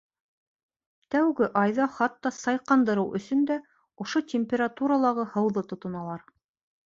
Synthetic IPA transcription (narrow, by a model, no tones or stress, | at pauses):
t̪æwɡɘʔɑjðɑχɑt̪ːɑsɑjqɑnd̪ɤ̆ɾɤwʔɵ̰̆sɵnd̪æ | ŏʃot̪ʲemʲpʲeɾat̪uɾɑlˠɑʁɤhɤ̆wðɤt̪ŏt̪ŏnɑlˠɑɾ